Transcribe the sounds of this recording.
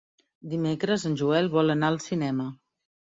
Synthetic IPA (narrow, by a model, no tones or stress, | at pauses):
d̪imekɾəzənʲʒuɛlˠβɔlənaəlˠsinɛmə